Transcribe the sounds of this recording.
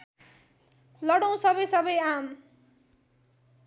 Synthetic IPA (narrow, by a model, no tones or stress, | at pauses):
lʌɽʌw̃sʌbʌjsʌbʌjam